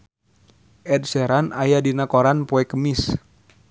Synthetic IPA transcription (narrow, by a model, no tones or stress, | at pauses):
ʔɛt̚sɛɾanajadinakoɾanpɔɛkəmis